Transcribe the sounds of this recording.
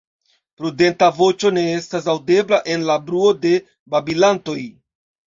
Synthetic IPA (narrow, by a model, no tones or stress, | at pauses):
pɾude̞ntavo̞t͡ʃo̞ne̞e̞stas̬awde̞blaʔe̞nlabɾuo̞de̞ | babilanto̞j